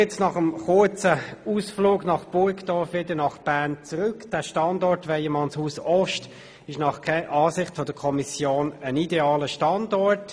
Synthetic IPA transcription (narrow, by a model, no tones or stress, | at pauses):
ɛt͡snɑχəmχʊɹt͡səuːsfloːɡnɑχb̥ʊɹkd̥ɔvʋɪdənɑχb̥æʁnt͡sʁʏkd̥æːʃtɑndɔɹtʋɛɪjɛmɑnshuːsɔʃt | ɪʃnɑχkʰɛʔɑːsɪχtfɔd̥əkʰɔmisjoːnənideɑːləʃtɑndɔɹt